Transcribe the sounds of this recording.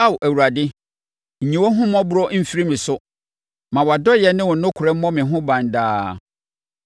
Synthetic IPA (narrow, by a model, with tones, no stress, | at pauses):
a˦wʔæ˨wu˨ɾa˨dɪ˦ | ɲ̩˨ɲĩ˨wɔ˦ɦʊ̃˦mɔ̃˦bʊ˦ɾɔ˦m̩˦fi˦ɾi˦mɪ̃˨sʊ˦ | mã˨wɔ˨a˨dɔ˦jɛ˨nɪ̃˦wɔ̃˨nʊ̃˦kʰʊ˨ɾɛ˦m̩˦mɔ̃˦mɪ̃˨ɦʊ̃˦bã˨n˨daː˦